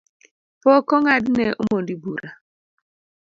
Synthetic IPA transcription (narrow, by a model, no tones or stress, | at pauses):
pɔkɔŋadnɛʔomondibuɾa